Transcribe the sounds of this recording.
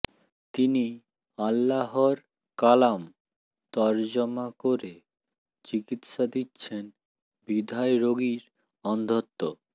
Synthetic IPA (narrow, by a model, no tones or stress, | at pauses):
t̪ini | alːaɦoɾ | kalam | t̪ɔɾd͡ʑɔmakoɾe | t͡ɕikit̪ʃad̪itːɕʰen | bid̪ʱaeɾoɡiɾ | ɔnd̪ʱot̪ːo